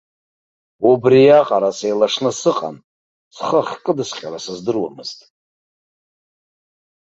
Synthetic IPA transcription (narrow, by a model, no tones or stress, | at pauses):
ubrijaqʼaɾasejlaʂnɨsɨqʼa̰n | sχəχʲkʼɨdɨsqʲʼaɾasɨzdɨrwamɨztʼ